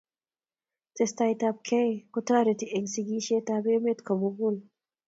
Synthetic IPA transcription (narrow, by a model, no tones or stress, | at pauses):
t̪est̪ajt̪ap̚kʰekʊt̪aɾet̪iʔeŋsiɡiʃet̪abemet̪kʰomuɡul